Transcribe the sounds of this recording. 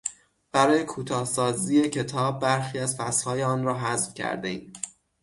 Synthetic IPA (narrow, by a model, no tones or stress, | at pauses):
b̥æɾɒːje̞kʰuːt̪ʰɒːhsɒːziːe̞cʰe̞t̪ʰɒːb̚ːæɾxiæzfæshɒːjeɒːnɾɒːɦæzfcʰæ̰ɾd̪eiː